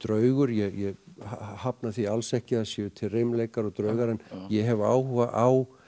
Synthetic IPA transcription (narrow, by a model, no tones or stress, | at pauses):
t̪ɾœːɥɣʏɾjɛjɛhhapnaθialsɛhcɪasɛʏt̪ʰɪlrɪmlejkaɾɔɣt̪ɾœɥɣaɾɛnːjɛɦɛva̰ːwhuɣaʔaw